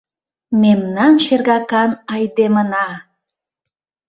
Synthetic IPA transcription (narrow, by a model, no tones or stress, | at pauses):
memnɑnʃerɣɑkɑnɑjd̪emənɑ